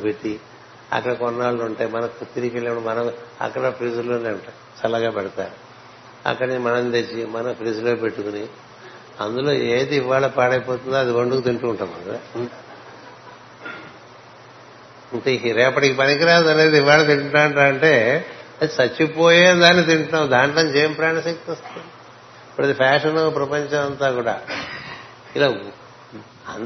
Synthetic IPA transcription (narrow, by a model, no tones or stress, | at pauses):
peʈːi | ɐ̰kːɐɽɐkɔnːaːluɳʈeːmɐnɐkut̪ːiɾikeɭːɽɐmɐnɐmɐ̰kːɐɽɐpɾiːd͡ʒɐloːneːuɳʈa | t͡ʃɐlɐɡaːpɛɽɐt̪a̰ːɾu | ɐ̰kːɐɽɐnimɐnɐmt̪et͡ʃːimɐnɐpɾiːd͡ʒɐloːpe̞ʈːukuni | ɐnd̪ulo̞ːeːd̪iːʋːaːɭɐpaːɽɐjpoːt̪und̪oːɐd̪iɡɐɳɖukut̪iɳʈuːɳʈaːmɐ̰ɡ | iŋkɐɾɛːpɐʈikipɐnikiɾaːɐd̪ɐleːd̪iʋaːɭɐt̪̬iɳʈʈaːɳʈaːɐɳʈe̞ːɐd̪isɐt͡ʃːipoːjeːd̪aːnːit̪iɳʈnaːmd̪aːɳʈɐnt͡ʃeːjɐmpɾaːnɐsek̚t̪iost̪ɐnd̪i | ipːuɽɐd̪ipʰaːʂɐnoːpɾɐpɐɲt͡ʃɐmɐnt̪aːkuːɽa̰ː | ilaː | ɐ